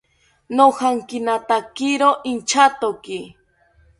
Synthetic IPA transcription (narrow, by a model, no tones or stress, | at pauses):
nohaŋkɪnat̪akɪɾoʔɪnt͡ʃat̪okɪ